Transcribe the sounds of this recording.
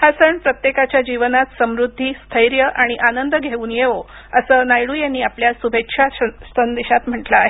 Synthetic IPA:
hasəɳpɾət̪jekat͡ɕjad͡ʑiʋənat̪səmɾud̪ʱːiːst̪ʰəjɾjəʔaɽ̃iʔanənd̪əɡʱeuːnjeʋo | əsəːnajɽuːjanːiːapljasubʱekʂʰasənd̪eɕat̪m̤əʈlaːɦe

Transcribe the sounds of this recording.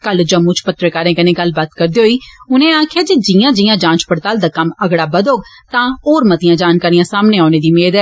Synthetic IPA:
kəld͡ʒəmːũːt͡ʃʰpʊt̪ːɾəkaːɾẽːkɪnẽːɡəlbat̪kəɾd̪eːɦoːiːʊnẽːaːkʰjaːd͡ʒiːd͡ʒijãːd͡ʒiːjãːd͡ʒãːt͡ʃpəɽt̪aːld̪aːkəməɡɽaːbəd̪oːɡ | t̪ãːoːɾmət̪ɪjãːd͡ʒaːnkaːɾijãːsaːmneːaːneːd̪iːmeːd̪ɛː

